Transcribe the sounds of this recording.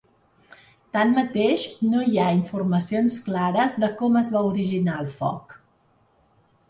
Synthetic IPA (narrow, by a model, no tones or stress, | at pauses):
t̪anmət̪eʃnoiaiɱfurməsionsklaɾəzðəkɔməzβauɾiʒinaəlˠfɔ̰k